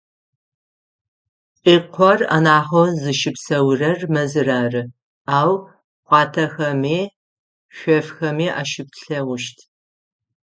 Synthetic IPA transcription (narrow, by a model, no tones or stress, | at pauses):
qʼiːqʷʰɔra̰naːχozɨʃɪpsɐwrɐrmɐzɨraːrɨ | aːw | χʷɑːtʰɐxɐmeː | ɕʷɔfxɐmeːʔa̰ːʃɪp̚ɬɐwʊʃtʰ